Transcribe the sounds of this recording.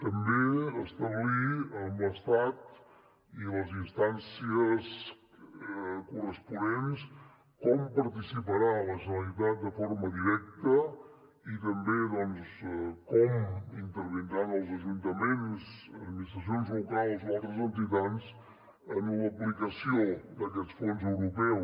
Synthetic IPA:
t̪əmbeəst̪əβliəməst̪at̪ | iləzinst̪ansiəs | kurəspunens | kɔmpəɾt̪isipəɾaləʒənəɾit̪at̪̚d̪əfoɾməðiɾɛk̚t̪ə | it̪əmbeðɔnskɔmint̪əɾβ̞ind̪ɾanəlˠzəʒunt̪əmensəd̪minist̪ɾəs̬ionzlukalˠzoalˠt̪ɾəzənt̪it̪ans | ənuləplikəsiod̪əkɛt̪t͡sfonzəwɾupɛ

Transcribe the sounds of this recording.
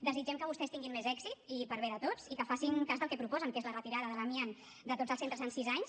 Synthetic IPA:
d̪əzid͡ʒɛmkəβust̪ɛst̪iŋɡimezɛɡzit̪ipəɾβeðət̪ot͡sikəfasiŋkazðəlˠkɛpɾupɔzəŋkezlərət̪iɾaðəðələmian | d̪ət̪od͡zəlˠsent̪ɾəzənsizaɲs

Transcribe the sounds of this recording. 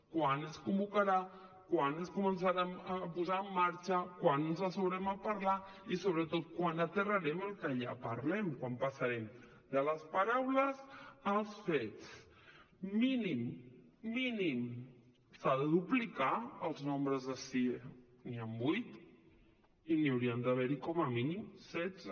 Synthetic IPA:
kwanəskumbukəɾa | kwanəskumənsaɾaəpuzaəmːaɾt͡ʃəkwanənzasowɾɛməpəɾla | isoβɾət̪ot̪̚kwanət̪ərəɾɛməlˠkəʎapəɾlɛmkwampasaɾɛm | d̪ələspaɾawləzəlˠsfɛtt͡s | minimː | inim | saðəðuplikaəlˠznombɾəzðəsi | niambujt̪ | iniəwɾiənd̪əβ̞ɛɾikɔməminimsɛd͡zə

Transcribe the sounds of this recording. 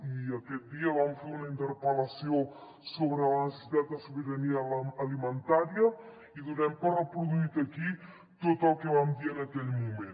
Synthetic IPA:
iəkɛt̪̚d̪iəβamfeunəint̪əɾpələsio | soβɾələnəsə̥sit̪at̪̚d̪əsuβəɾəniəːlimənt̪aɾiə | iðunɛmpərrəpɾuðuit̪əki | t̪ot̪əlˠkəβamd̪iənəkɛʎmumen

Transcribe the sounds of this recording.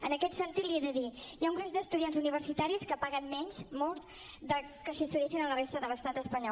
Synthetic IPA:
ənəkɛt̪sənt̪it̪lieðəðijauŋɡɾud̪əst̪uðianzuniβərsit̪aɾiskəpaɣənmɛɲʲzmɔlˠz | ðə | kəsist̪uðiɛsinələrest̪əðələst̪at̪əspəɲɔ

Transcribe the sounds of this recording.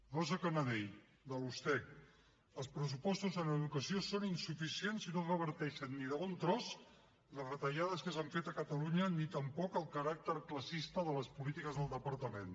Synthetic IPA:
rɔzəkənəðɛj | d̪əlust̪ɛ | əlˠspɾəs̬upɔst̪uzənəðukəsiosoninsufisienzinorəβ̞əɾt̪ɛʃənːiðəɣunt̪ɾɔz | ləzrət̪əʒaðəskəs̬aɱfet̪əkət̪əluɲənit̪əmpɔkəlˠkəɾak̚t̪əɾkləsist̪əðələspulit̪ikəzðəlˠd̪əpəɾt̪əmen

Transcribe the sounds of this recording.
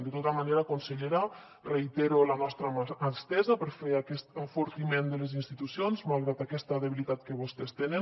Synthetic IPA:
d̪ət̪ot̪amaneɾakunseʎeɾa | reit̪eɾulanɔst̪ɾamast̪ɛzapəɾfeakɛst̪əfuɾt̪imend̪əlezinst̪it̪usionzmalˠɣɾat̪akɛst̪aðeβilit̪at̪kəβust̪est̪enən

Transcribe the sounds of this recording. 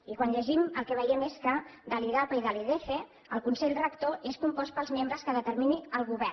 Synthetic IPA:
ikwanʎəʒiməlˠkɛβəjɛmeskəd̪aliðapəiðaliðefe | əlˠkunsɛʎrəkt̪oʔeskumpɔspəlˠzmẽmbɾəskəðət̪əɾminiəlˠɣuβɛ

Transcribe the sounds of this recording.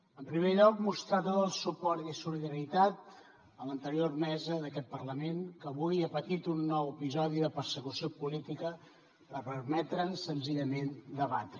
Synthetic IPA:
əmpɾimeʎɔkmust̪ɾat̪ot̪əlˠsupɔɾt̪isuliðəɾit̪at̪̚ | ələnt̪əɾiormɛzəðəkɛt̪̚pərləmeŋkəβujəpət̪it̪unːɔwəpizɔð̞iðəpəɾsəkusiopulit̪ikə | ɾəpəɾmɛt̪ɾənsənziʎəmend̪əβat̪ɾə

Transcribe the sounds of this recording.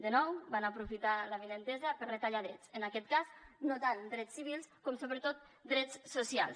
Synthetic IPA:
d̪ənɔwbanəpɾufit̪aləβinənt̪ɛzəpəɾrət̪aʎaðɾɛt͡sənakɛt̪kaznot̪and̪ɾɛt͡sːiβilˠskɔmsoβɾət̪ot̪̚ | d̪ɾɛt͡ssusia̰lˠs

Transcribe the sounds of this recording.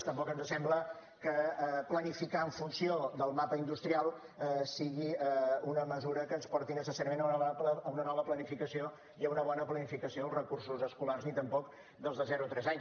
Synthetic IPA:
st̪əmpɔkənzəsɛmblə | kəplənifikaəɱfunsiod̪əlˠmapəind̪ust̪ɾialˠ | əsiɣiəunəməzuɾəkənspɔrt̪inəsəsaɾəmẽnəunβpləəunənɔβəplənifikəsio | iəunəβɔnəplənifikəsioəlˠzrəkursuzəskularznit̪əmpɔk | d̪əlˠzðəzɛɾut̪ɾɛzaɲ

